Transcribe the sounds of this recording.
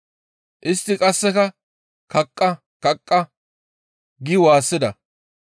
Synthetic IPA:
ʔɪst̪ːɪkʼɐsːɛkɐ | kɐkʼːɐ | kɐkʼːɐ | ɡɪwaːsːɪd̪ɐ

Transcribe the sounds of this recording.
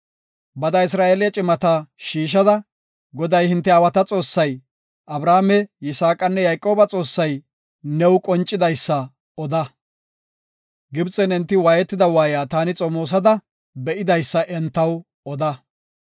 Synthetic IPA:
bɐd̪ɐɪs̬ɾaːʔeːlɪjɐt͡ʃʼɪmɐt̪aʃiːʃ̬ɐd̪ɐ | ɡɔd̪ɐjhɪnt̪ːɛɐwɐt̪ɐt͡sʼo̞ːsːɐj | ʔɐbɾaːmɛjɪsaːkʼɐnːɛjɐjkʼːo̞ːbɐt͡sʼo̞ːsːɐj | nɛwkʼɔnt͡ʃʼːɪd̪ɐjsːɐ | ɔd̪ɐ | ɡɪbt͡sʼɛnɛnt̪ːɪwaːjɛt̪ːɪd̪ɐwaːjaːt̪aːnɪt͡sʼɔmoːs̬ɐd̪ɐ | bɛʔɪd̪ɐjsːɐʔɛnt̪ːɐw | ɔd̪ɐ

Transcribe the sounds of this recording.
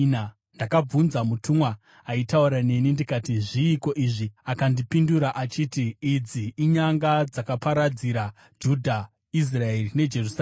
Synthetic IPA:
na | ndakab͡vunzamutʰumwaː | itauɾane̞nindikatiʐiːko̞ʔiʐiakandipinduɾaʔat͡ʃitiːd͡ziːɲaŋɡad͡zakapaɾad͡ziɾa | d͡ʒudʱa | is̬raerine̞d͡ʒe̞rusa

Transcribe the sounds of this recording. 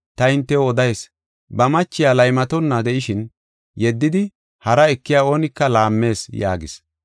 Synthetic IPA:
t̪ɐɪnt̪ːɛwɔd̪ɐjs | bɐmɐt͡ʃːɪjaːlɐjmɐt̪ɔnːɐd̪ɛʔɪʃɪn | jɛd̪ːɪd̪ɪ | hɐɾɐɛkːɪjaːo̞ːnɪkːɐlaːmːe̞ːsja̰ːɡɪs

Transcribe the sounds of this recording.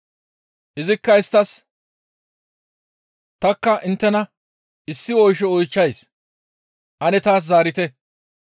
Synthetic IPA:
ʔɪzɪkːɐɪst̪ːɐs | t̪ɐkːɐʔɪnt̪ːɛnɐ | ɪsːɪɔjʃɛɔjt͡ʃːɐjs | ʔɐnɛt̪aːs̬zaːɾɪt̪ɛ

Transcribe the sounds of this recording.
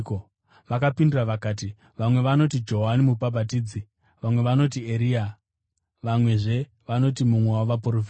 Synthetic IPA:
ko | ʋakapindiraʋakaːt̬i | ʋamwe̞ʋano̞t̬id͡ʒo̞ɦanimupabʱatiːd͡zi | ʋamwe̞ʋano̞t̬ieɾiːa | ʋamwe̞ʐe̞ | ʋano̞t̬imumwewaoʋapoɾofi

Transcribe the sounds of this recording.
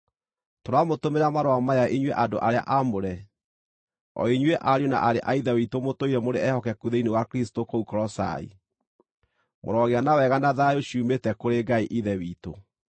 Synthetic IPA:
toɾamotomeɾamaɾoamaaʔiɲweʔadoʔaɾea̰ʔamoɾɛ | ɔ̰iɲweʔaɾiona̰ʔaɾeʔaiðɛwitomotoiɾɛmoɾeɛhɔkɛkuðeinewakɾistokoukɔɾɔsa̰ḭ | mo̰ɾɔɣeanawɛɣanaðajoɕiuːmetɛkoɾeɡaiʔiðɛwiːto̰

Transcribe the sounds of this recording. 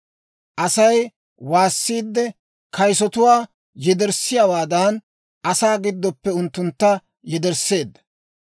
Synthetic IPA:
ʔɐsɐj | waːsːiːd̪ːɛ | kɐjsɔt̪ʊwaː | jɛd̪ɛɾsɪjawaːd̪ɐn | ʔɐsaːɡɪd̪ːɔpːɛʊnt̪ːʊnt̪ːɐ | jɛd̪ɛɾse̞ːd̪ːɐ̥

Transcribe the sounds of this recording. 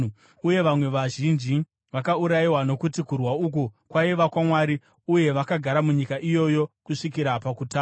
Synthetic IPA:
uje̞ʋamwe̞ʋaʒind͡ʒi | ʋakauɾajiwano̞kutikurwauk̬ukwaiʋakwamwaːɾi | uje̞ʋakaɡʱaɾamuɲikaʔijo̞jo̞kuʂikiɾapakutaː

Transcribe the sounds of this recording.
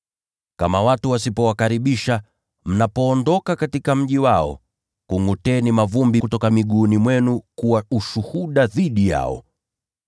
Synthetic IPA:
kamawatuwasipɔwakaɾiɓiʃa | m̩napɔːndɔkakatikam̩ʄiwaɔ̰ | kuŋutɛnimavumbikutɔkamiɠunimwɛnukuwauʃuhuɗaðiɗija̰ɔ̰

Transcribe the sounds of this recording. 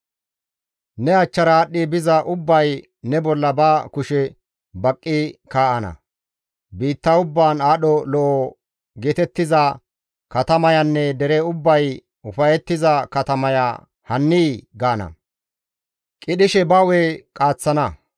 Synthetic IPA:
nɛɐt͡ʃːɐɾaːɗːɪbɪzɐʔʊbːɐj | nɛbɔlːɐbaːkʊʃɛ | bɐkʼːɪkaːʔɐnɐ̰ | biːt̪ːɐʊbːaːnaːɗɔlɔʔɔ | ɡeːt̪ɛt̪ːɪzɐ | kɐt̪ɐmɐjɐnːɛd̪ɛɾɛʊbːɐj | ʊfɐjɛt̪ːɪzɐkɐt̪ɐmɐja̰ | hɐnːiːɡaːnɐ̰ | kʼɪɗɪʃɛbɐwekʼaːt͡sːɐnɐ

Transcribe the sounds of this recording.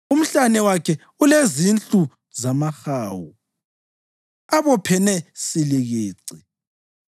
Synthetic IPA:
um̩ɬanɛwakʰɛ | ulezint͡ɬu | zamaxaːwu | aβɔpʰɛnɛsiliɣiːǀi

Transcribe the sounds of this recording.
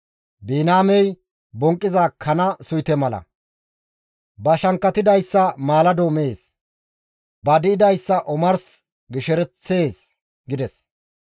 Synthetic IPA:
biːnaːmɛj | bɔŋkʼːɪzakʰːɐnɐsʊjt̪ɛmɐlɐ̰ | bɐʃɐŋkːɐt̪ɪd̪ɐjsːɐmaːlɐd̪oːme̞ːs | bɐd̪ɪɪd̪ɐjsːɐʔɔmɐɾs | ɡɪʃɛɾɛt͡sːe̞ːs | ɡɪd̪ɛs

